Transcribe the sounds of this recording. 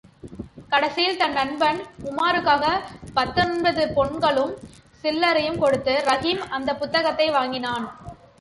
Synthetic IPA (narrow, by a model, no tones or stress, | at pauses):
kɐɽɐsɪjɪlt̪ɐnːɐnbɐnʊmaːɾɯkːaːɣɐpɐt̪ːɯnɯnbɐðɯpɔɳɡɐɭɯmsɪlːɐɾɐjɯmkɔɽɯt̪ːɯɾɐɣimɐnd̪ɐpːʊt̪ːɐɣɐt̪ːɐɪʋaːŋɡɪnaːn